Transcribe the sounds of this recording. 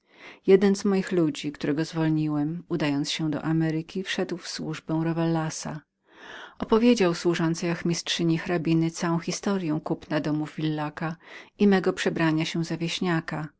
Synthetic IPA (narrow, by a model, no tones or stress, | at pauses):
jɛd̪ɛnzmɔjixlud͡ʑikt̪uɾɛɡɔzvɔlɲiwɛmud̪ajɔnt̪sɕɛd̪ɔ̰ʔamɛɾɘkʲifʂɛd̪wfswuʐbɛ̃w̃ɾɔvɛlːasa̰ | ɔpɔvʲjed͡ʑawswuʐɔnt̪sɛjakmʲistʂɘɲixɾabʲinɘt̪sawɔ̃w̃xʲist̪ɔɾjɛ̃w̃kupnad̪ɔmuvːʲilːakaimɛɡɔpʂɛbɾaɲaɕɛ̃zavʲjeɕɲaka